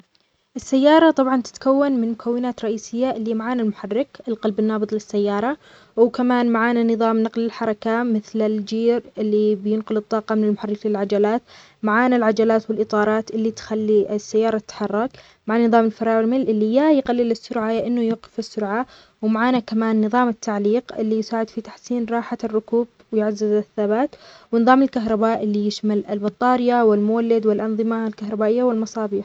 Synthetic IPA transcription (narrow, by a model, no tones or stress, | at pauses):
ʔɪsːajːɑːɾˤɑt̪ˤɑbʕɑnt̪ɪ̥t̪kawːanmɪnmʊkʰawːɪnaːt̪ɾˤɑʔiːsɪjːaʔɪlːimaʕaːnalmʊħarːɪkʔɪlqɑlbɪnːɑːbɨðˤlɪsːajːɑːɾˤɑ | wkamaːnmaʕaːnanɨðˤɑːmnɑqlɪlħɑɾˤɑkamɪθlɪld͡ʒiːɾɪlːibjɪnqʊlɨt̪ˤːɑːqɑmɪnɪlmʊħarːɪklɪlʕad͡ʒalaːt̪ | maʕaːnalʕad͡ʒalaːt̪wɪlʔɨt̪ˤɑːɾˤɑːt̪ʔɪlːit̪xalːiɪsːajːɑːɾˤɑt̪ːħɑrˤːɑk | maʕanːɨðˤɑːmɪlfɑɾˤɑːʕɾmɪlʔɪlːijajqalːɪlɪsːʊɾʕajaʔɪnːʊjuːqɪfɪsːʊɾʕa | wmaʕaːnakamaːnːɨðˤɑːmɪt̪ʰːaʕliːqʔɪlːijsaːʕɪd̪fit̪ḁħsiːnɾˤɑːħarːʊkuːb̚ | wɪjʕazːɪzɪθːabaːt̪wɪnɨðˤɑːmɪlkaɦɾˤɑbaːʔɪlːijɪʃmalɪlbɑt̪ˤːɑːɾɪjawɪlmʊwalːɪd̪wɪlʔɑnðˤɨmalkahɾˤɑbaːʔɪjːawɪlmɑsˤɑːbiːħ